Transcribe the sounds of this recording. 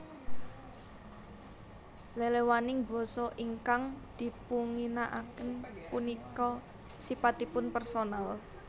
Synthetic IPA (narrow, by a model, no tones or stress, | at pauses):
lelewanɪŋbɔ̤sɔʔiŋkaŋd̪̥i̤puŋinaʔakənpunikɔ | sipat̪ipʊnpɛrsonal